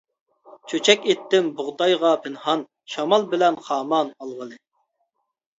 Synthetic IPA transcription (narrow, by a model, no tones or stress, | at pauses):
t͡ʃʰøt͡ʃʰɛkʲet̪ːɪmbʊʁd̪ɑjʁɑpʰɪnhɑn | ʃɑmɑlˠbɪlɛnχɑːmɑnɑlˠʁəlˠɨ